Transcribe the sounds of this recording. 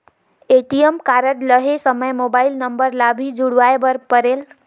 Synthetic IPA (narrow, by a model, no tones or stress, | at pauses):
eʈijmkaɾəʈləɦesəməjmobailnəmbəɾlabʱid͡ʒuɽʋajebəɾpəɾel